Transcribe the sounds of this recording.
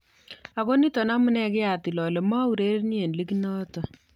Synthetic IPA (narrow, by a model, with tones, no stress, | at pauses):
a˨ko˦ni˦tɔ˨na˦mʊ˦nɛ˦kɪ˦a˨ti˨lɔ˨le˨ma˦u˨ɾe˦ɾni˦e˨nli˦ki˦nɔ˦tɔ˨